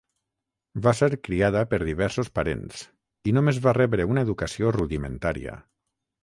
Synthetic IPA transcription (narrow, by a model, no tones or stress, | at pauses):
baseɾkɾiaðəpəɾðiβ̞ɛɾsospaɾḛns | inomezβarɛβɾeunaeðukasioruðimḛnt̪aɾḭə̰